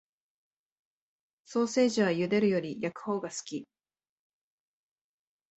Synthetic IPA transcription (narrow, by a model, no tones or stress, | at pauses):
so̞ːse̞ːʑiβ̞ajɯ̟d̪e̞ɾɯ̟jo̞ɾʲijakɯ̟̥ho̞ːɡasɨ̥kʲi